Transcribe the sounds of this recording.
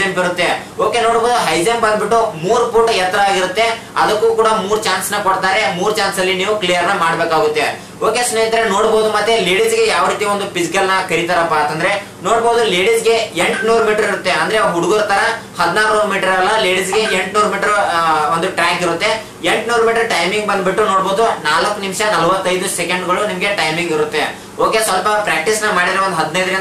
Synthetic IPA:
empiɾut̪ːe̞ | oːke̞noːɽboːd̪uɦɐjzembɐnd̪biʈːumuːɾpuːʈɐjɛt̪ːɾɐaːɡiɾut̪ːe̞ | ɐd̪ɐkːuːkuːɽɐmuːɾut͡ʃaːnsnɐkɔɽt̪aːɾe̞muːɾt͡ʃaːnsɐlːiniːʋuklijɐɾnɐmaːɽbeːkaːɡut̪ːe̞ | oːkesneɐnt̪ɐɾeno̞ːɽboːd̪umɐt̪ːe̞leːɽisɡejaːʋɾiːt̪iʋond̪upisikɐlnɐkɐɾit̪aːɾɐpːɐɐnt̪ɐnd̪ɾe̞ | noːɽboːd̪uleːɽisɡe̞eɳʈnuːɾmiːʈɐɾiɾut̪ːe̞ɐnd̪ɐɾeɦuɽuɡoɾt̪ɐɾɐhɐd̪naːɾuumiːʈɐɾɐlːɐleːɽisɡe̞eɳʈnuːɾmiːʈɐɾond̪uʈɾaːkiɾut̪ːe̞ | eɳʈnuːɾmiːʈɐɾʈɐjmiŋɡbɐnd̪biʈːunoːɽboːd̪unaːlɐkːunimʃɐnɐlɐʋɐt̪ːɐjd̪usekɐɳɖɡɐɭunimɐɡe̞ʈɐjmiŋɡiɾut̪ːe̞ | oːke̞sʋɐlpɐpɾaːk̚ʈisnɐmaːɽid̪ɾeʋond̪uɦɐd̪nɐjd̪e

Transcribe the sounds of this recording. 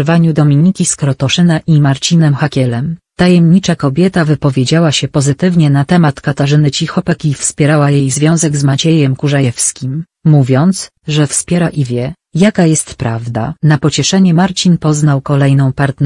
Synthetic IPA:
vaɲud̪ɔmʲiɲikʲiskɾɔt̪ɔʂɘnaʔimaɾt͡ɕinɛmxakʲɛlɛmt̪ajɛmɲit͡ʂakɔbʲjɛt̪avɘpɔvʲjed͡ʑawaɕɛpɔzɘt̪ɘvɲɛnat̪ɛmat̪kat̪aʐɘnɘt͡ɕixɔpɛkʲifspʲjɛɾawajejzvʲjɔ̃w̃zɛɡzmat͡ɕɛjɛmkuʐajɛfskʲimː | uvʲjɔnt̪s | ʐɛfspʲjɛɾaʔivʲjɛ | jakajɛst̪pɾavd̪a̰napɔt͡ɕɛʂɛɲɛmaɾt͡ɕinpɔznawkɔlɛjnɔ̃w̃paɾt̪n

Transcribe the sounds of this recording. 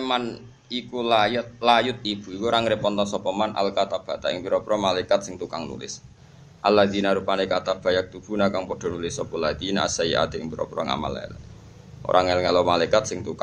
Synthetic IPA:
eman | ikulajʊt̪̚lajʊt̪̚ib̥ṳikuɾaŋɾepɔnt̪ɔsɔpɔmanʔa̰lkat̪ab̥a̤t̪aɪŋbiɾɔpɾɔmalaikat̪̚sɪŋt̪ukaŋnṵlɪ̰s | ʔalːad̪inaɾupanekat̪ab̥a̤jak̚t̪ub̥ṳnakaŋpɔd̥ɔ̤nulɪsɔpɔlad̪inaa̰saia̰d̪̥eɪŋbiɾɔ̰pɾɔ̰ŋa̰ma̰laɛ̰l | o̰ɾʔaŋɛlŋalɔmalaikat̪̚sɪŋt̪ukaŋ

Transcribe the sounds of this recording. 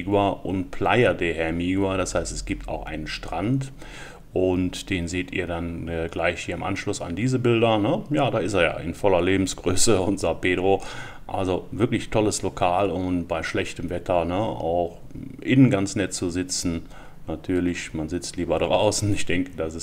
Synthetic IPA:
ɡwaʔʊntplaɪɐdeːhɛɐmiːɡwadashaɪstɛsɡ̥iːp̚tʰa̰ʊxʔa̰ɪnənʃtʁ̥ant | ʔʊntd̥eːnzeːtḭːɐdanəɡlaɪçhiːɐɪmʔa̰nʃlʊsa̰ndiːzəbɪldɐnəjaːdaːɪsteːɐja̰ːʔɪ̰nfɔlɐleːbm̩sɡ̥ʁøːsəʊntz̥apeːdʁo | ʔa̰lzovɪɐklɪçtʰɔləslokʰaːlʊntb̥aɪʃlɛçtəmvɛtʰɐnəa̰ʊx | ʔɪnənɡant͡snɛtt͡suzɪt͡sn̩ | natʰyːɐlɪçmanzɪt͡stliːbɐdʁaʊsn̩ɪçd̥ɛŋkədasɛs

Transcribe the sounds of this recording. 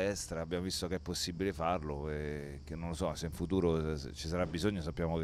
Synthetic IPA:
ɛst̪ɾaːbːjaːmovist̪okɛpːosːibilefarloekenːonlosɔaseiɱfut̪uːɾot͡ʃisaɾabːizoɲːos̬apːjaːmok

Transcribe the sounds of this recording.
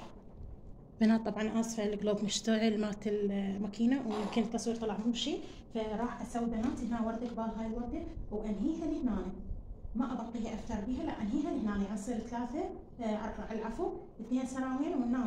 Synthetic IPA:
banaːt̪ˤːɑbʕɑnʔɑsˤfaʕɪlɡloːbmʊʃt̪aʕɪlmaːt̪ɪlmakiːnawjɪmkɪnt̪k̪ːɑsˤwiːɾt̪ˤɑlɑʕmuːʃi | faɾˤɑːħʔasawːibanaːt̪ihnaːwɑɾˤd̪akbaːɣhaːjwɑɾˤd̪awʔanɦiːhanɪhnaːnimaʔabɑqːihiʔaft̪ɑɾˤbiːɦalaʔanɦiːɦalɪhnaːniʔɑsˤiːɾt̪laːθa | ʔɑ̰ɾˤɑʕalʕafu | ɪθneːnsanaːwiːnwɪnːaː

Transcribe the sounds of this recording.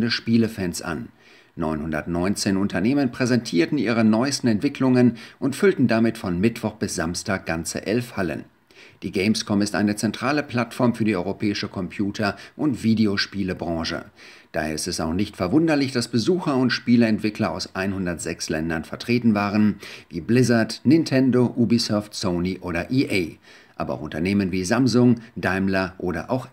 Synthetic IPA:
dəʃpiːləfɛnsʔa̰nː | ɔʏnhʊndɐtnɔʏnt͡seːnʊntʰɐneːmənpʁ̥ɛzɛntʰiːɐtn̩ʔiːʁ̞ənɔʏstn̩ɛntv̥ɪklʊŋənʔʊntfʏltn̩damɪtfɔnmɪtv̥ɔχb̥ɪsz̥amstaːk̚ɡ̥ant͡sə̰ʔɛlfhalə̰n | d̥iːɡɛɪmskʰɔmɪstʔa̰ɪnət͡sɛntʁ̥aːləpl̥atfɔɐmfyːɐdiːʔɔʏʁopʰɛːɪʃəkʰɔmpʰjuːtʰɐʔʊntv̥iːdeoʃpiːləbʁɑ̃ːʃə̰ | d̥aːheːɐɪstɛsaʊxnɪçtfɛɐvʊndɐlɪçd̥asb̥əzuːxɐʊntʃpiːləɛntv̥ɪklɐaʊsʔaɪnhʊndɐtz̥ɛkslɛndɐnfɛɐtʁ̥eːtn̩vaːʁənviːblɪzɐtnɪntʰɛndoʔuːbisɔɐftsoʊniʔoːɾɐʔiʔeɪ | ʔa̰ːbɐʔa̰ʊxʔʊ̰ntɐneːmənviːzamzʊŋd̥aɪmlɐʔoːɾɐ̰ʔa̰ʊx

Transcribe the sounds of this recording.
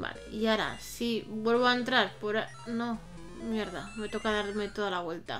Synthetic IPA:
ba̰lḛiaɾa̰sibwe̞lβoaent̪ɾaɾpoɾa | no̞ | mje̞ɾðame̞t̪o̞kaðaɾme̞t̪o̞ðalaβwe̞lt̪a̰

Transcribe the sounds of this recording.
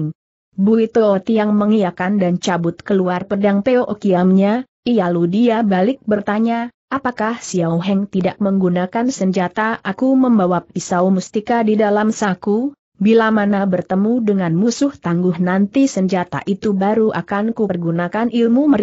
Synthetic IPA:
ŋ | buit̪oot̪ijaŋməŋijakandant͡ʃabʊt̪kəluarpədaŋpeoʔokiamɲa | ijaludiabalɪk̚bərt̪aɲa | ʔapakahsiawɦɛŋt̪idak̚məŋɡunakansəɲd͡ʒat̪aʔakuməmbawapisaumust̪ikadidalamsaku | bilamanabərt̪əmudəŋanmusʊht̪aŋɡʊhnant̪isəɲd͡ʒat̪a̰ʔit̪ubaɾuʔakankurɡunakanʔilmumə

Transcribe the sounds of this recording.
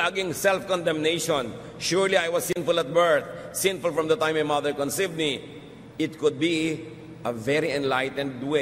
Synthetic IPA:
aɡɪ̃ŋsɛlfkɔ̃nd̪ɛ̃mneɪʃɔ̃n | ʃuɹliajwɔssɪ̃nfʊlɛt̪̚bɛ˞θsɪ̃nfʊlfɹɔ̃md̪ɐt̪ãɪ̃majmʌd̪əɹkɔ̃nsivd̪̚mi | ɪt̪̚kʊd̪̚bi | ɐvɛɾiɛ̃nlaɪt̪ɛ̃nd̪ːuɪ̃

